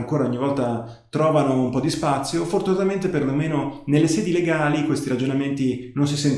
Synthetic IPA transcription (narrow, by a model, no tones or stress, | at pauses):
ŋkoːɾaoɲːivɔlt̪a | t̪ɾɔːvanoumpɔd̪ispat̪sːjofort̪unat̪ament̪eperlomeːnonelːesɛːd̪ileɡaːlikwest̪iɾad͡ʒonament̪inons̬isɛn